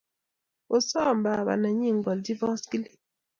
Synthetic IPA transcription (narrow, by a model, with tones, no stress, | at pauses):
o˨sɔ˦˨mba˨βa̰˨na˨ɲi˦˨ŋɡɔ˨ldi˦vɔ˦sɡi˦li˨